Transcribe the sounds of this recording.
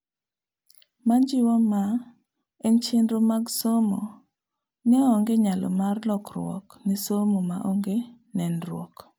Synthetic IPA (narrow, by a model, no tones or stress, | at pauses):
mand͡ʒɪwɔma | ent͡ʃendɾomaɡsomo̰ | nɛoŋɡeɲalɔ̰marlɔkrw̰ɔ̰knisomomaʔoŋɡe | nɛnrwɔ̰k